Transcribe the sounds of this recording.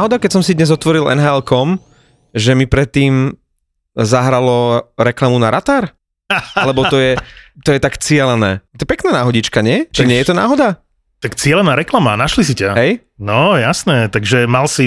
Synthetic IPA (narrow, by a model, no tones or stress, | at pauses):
ɦɔd̪akɛcsɔmsid̪ɲɛzɔt̪ʋɔɾilɛ̰nɦaɛlkɔm | ʒɛmipɾɛt̪ːiːm | zaɦɾalɔɾɛklamunaɾat̪aɾ | alɛbɔt̪ɔjɛt̪ɔjɛt̪akt͡sɪɛlɛnɛ̰ːt̪ɔjɛpɛknaːnaːɦɔɟit͡ʃkaɲɪɛt͡ʃiɲɪɛjɛt̪ɔna̰ːɦɔd̪a | t̪akt͡sɪɛlɛnaːɾɛklamanaʃlisicaɦɛj | nɔjasnɛːt̪aɡʒɛmalsi